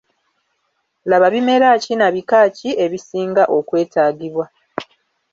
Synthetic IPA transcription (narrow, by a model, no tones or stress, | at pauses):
laβaβime̞ɾacinaβikaːcie̞βisiːŋɡaʔo̞kwe̞ːtaːɡiβwa